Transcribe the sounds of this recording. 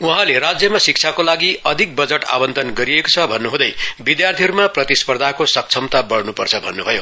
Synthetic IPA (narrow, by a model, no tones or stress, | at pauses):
uɦãleɾad͡zjʌmasik̚t͡ʃʰakolaɡiʌd̪ʱik̚bʌd͡zʌʈa̰bʌnd̪ʱʌnɡʌɾieko̥t͡sʰʌbʱʌnːuɦũd̪ʌjbid̪jart̪ʰiɦʌɾumaprʌt̪ispʌrd̪ʱakosʌk̚t͡sʰʌmt̪abʌɽnupʌrt͡sʰʌbʱʌnːubʱʌjo